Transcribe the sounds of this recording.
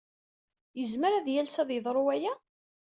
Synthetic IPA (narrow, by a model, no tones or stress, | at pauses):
jəzməɾæðjælsæðjəðˤɾˤʊæjæ